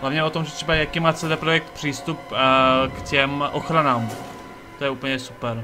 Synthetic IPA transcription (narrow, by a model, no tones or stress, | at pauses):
ɦlavɲɛo̞t̪omʒɛt̪r̥ɛbajakimaːt͡sɛdɛpɾojɛk̚t̪̚pr̝̥iːst̪up̚kcɛmʔoxɾanaːm | t̪ojɛupl̩ɲɛsupɛɾ